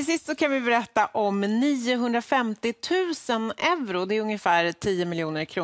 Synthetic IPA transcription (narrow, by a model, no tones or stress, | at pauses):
ɪlsɪst̪sɔkʰanvɪbɛɾɛt̪ːaʔɔmniːʊɦɵnd̪ɾafɛmt̪ɪt̪ʰʉ̟ːsənɛvɾʊd̪ɛːɾɵŋjəfæːɾt̪ʰiːəmɪljuːnəɾkʰɾuː